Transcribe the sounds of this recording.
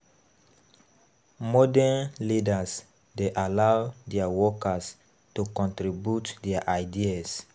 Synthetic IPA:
mɔdɛnlidas | deʔalawdiawɔkas | tukɔ̃ntɾibjutdiaʔaɪdias

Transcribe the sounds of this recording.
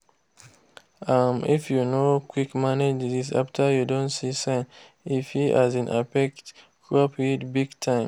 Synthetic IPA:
amḭfjunokʰwikmaned͡ʒdisa̰ftʰajudõntsisãɪ̃n | ifhiʔa̰zĩnʔa̰pɛkt | kɹɔpidbiɡtʰãɪ̃m

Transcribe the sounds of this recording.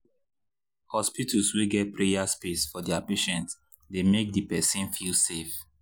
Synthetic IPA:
hɔspitʰusweɡɛt̚pɹejaspesfɔdɛapeʃɛ̃nt | demek̚dipɛsĩnfilsef

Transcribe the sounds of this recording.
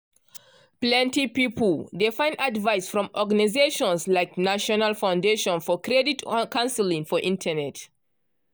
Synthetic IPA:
plɛ̃ntipipldefãɪ̃ndadvaɪsfɹɔ̃mʔɔɡanizeʃɔ̃nslaɪknaʃɔnalˠfãʊ̃ndeʃɔ̃nfɔkʰɹɛditkãʊ̃nsəlĩŋfɔʔĩntʰənɛt

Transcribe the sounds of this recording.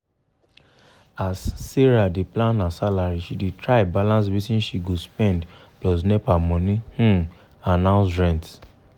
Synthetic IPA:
asːiɹadeplãnːasalaɹiʃidetʰɹabalãnswitĩnʃiɡospɛ̃nd | plɔs̬nɛpamɔ̃nĩh̩ | anãʊ̃nsɹɛ̃nt

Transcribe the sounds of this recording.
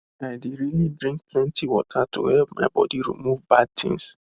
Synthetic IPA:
aɪdeɾilidɹĩŋk̚pʰlɛ̃ntiwɔtʰato̰hɛlpma̰ɪbɔ̰diɹḭmuvbad̚tʰḭ̃ŋs

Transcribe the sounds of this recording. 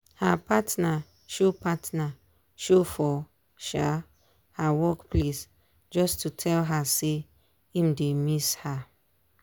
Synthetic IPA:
hapatna | ʃopatna | ʃofɔ | ʃa | hawɔkples | d͡ʒɔstʰutʰɛlɦase | ĩmdemisha

